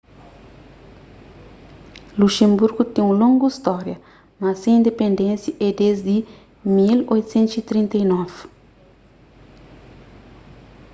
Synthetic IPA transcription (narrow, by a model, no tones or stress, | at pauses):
luʃẽmbuɾɡut̪ẽũlõŋɡuist̪ɔɾjɐ | masẽĩnd̪epẽnd̪ẽnsjɐʔɛd̪ezd̪i | milojt̪u̥sẽnt̪usit̪ɾĩnt̪ɐinɔv